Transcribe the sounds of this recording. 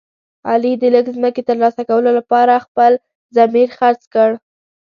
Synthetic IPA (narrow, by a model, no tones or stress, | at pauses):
ɑ̰lid̪ələɡzməket̪əɾlɑsakawəlolapɑɾaxpəl | zamiɾxaɾt͡skəɽ